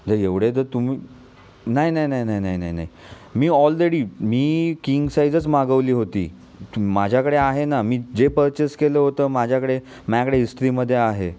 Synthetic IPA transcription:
d̪əɾeʋɽet̪̬əɾt̪umiː | naɦinaɦinaɦinainainaɦinai | miːɔlɾeɽiːmiːkiŋɡsaid͡zət͡smaɡəʋliːɦot̪ḭː | mad͡ʑʱjakəɽeaɦenamiːd͡zepəɾt͡ɕeskeləɦot̪əːmad͡ʑʱjakəɽe | mjakəɽeisʈɾiːməd̪ʱːjeaɦe

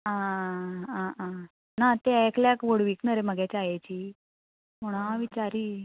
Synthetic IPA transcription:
a | aa | nat̪eɛkljakʋoɽʋiːknəɾeməɡɛt͡ɕajat͡ɕiː | moɽ̃aʋit͡ɕaɾiː

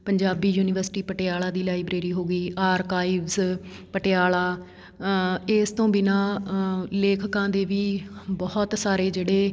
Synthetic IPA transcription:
pəɲd͡ʒaːbiːjuːnɪʋəɾsʈiːpəʈɪaːlaːd̪iːlaːibɾeːɾiːɦoːɡiːʔaːɾkaːiːʋz | pəʈɪaːlaː | eːst̪õːbinãː | leːkʰkãːd̪eːʋiːbɔːt̪saːɾeːd͡ʒeːɽeː

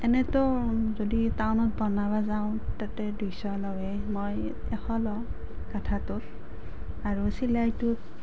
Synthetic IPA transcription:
ɛnɛtʊzoditawnɔt̚bɔnabazaʊ̃tatɛdusɔlɔwɛmoj | ɛxɔlɔ | katʰatʊt̚ | aɹusilajtʊt̚

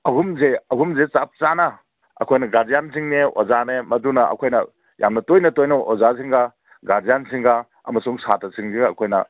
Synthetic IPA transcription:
ɐɦumzeɐɦumzet͡ʃap̚t͡ʃanɐ | ɐ̰kʰojnɐɡazijansʰiŋneo̰zanemɐdunɐɐ̰kʰojnɐ | jʔa̰mnɐtojnɐtojnoʔozasiŋɡa | ɡazijansʰiŋɡa | ɐ̰mɐsuŋsatɐsiŋzeɡɐkʰojnɐ̰

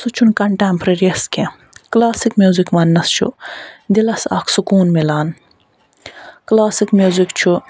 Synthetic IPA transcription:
sut͡ʃʰunkɐɳʈempʰɾeɾiɐskʰẽ | klaːsikmʲjuːzikmɐnːɐst͡ʃʰṵd̪ilɐsa̰ːkʰsukuːnmilaːn | klaːsikmʲjuːzikt͡ʃʰu

